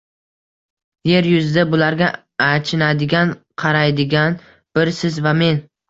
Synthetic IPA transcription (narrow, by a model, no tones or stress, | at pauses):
je̞ɾjʊzɪd̪abʊlaɾɡʲa | at͡ʃʰɪnad̪ɪɡʲan | qʰɑɾajd̪ɪɡʲan | b̥ɪɾsɪzvame̞n